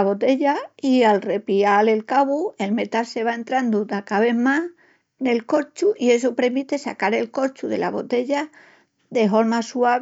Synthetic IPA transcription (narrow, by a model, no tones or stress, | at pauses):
aβo̞t̪e̞ʎaialre̞piale̞lkaβue̞lme̞t̪alse̞β̞ae̞nt̪ɾand̪ud̪akaβe̞ma | ne̞lko̞t͡ʃuʔie̞s̬opɾe̞ɾmit̪e̞sakaɾe̞lko̞t͡ʃuðe̞̰lʔa̰βo̞t̪e̞ʎa | ðe̞ɦo̞ɾmasua